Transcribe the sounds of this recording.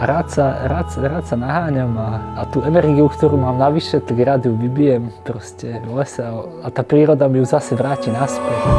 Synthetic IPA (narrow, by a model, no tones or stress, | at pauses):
aɾaːt̪saɾaːt̪sɾaːt̪sanaɦaːɲamaːt̪uːɛnɛɾɡiukt̪ɔɾuːmaːmnaʋiʃɛt̪aɡɾad̪juʋibijɛmpɾɔscɛvlɛsɛaat̪aːpɾiːɾɔd̪amijuzasɛʋɾaːcinaspɛ